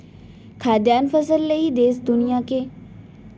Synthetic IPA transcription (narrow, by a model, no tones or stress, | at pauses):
kʰaːd̪jaːnfəsəlːɐid̪eːsd̪ʊnijake